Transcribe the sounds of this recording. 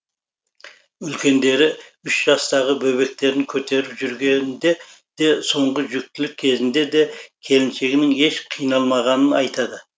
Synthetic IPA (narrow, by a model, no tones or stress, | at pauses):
ʏlkʲʰe̞nd̪e̞ɾɪʏʃʒ̥ɑst̪ɑʁəbɵβe̞k̚t̪e̞ɾɪŋkʲʰɵt̪e̞ɾɪpʒʏɾɡʲe̞nd̪e̞ | d̪̥e̞so̞ɴʁəʒʏk̚t̪ɪlɪk̚ʲʰːe̞zɪnd̪e̞d̪e̞kʲʰe̞lɪnʃe̞ɡʲɪnɪŋe̞ʃqʰijnɑlˠmɑʁɑnənɑjt̪ʰɑd̪ə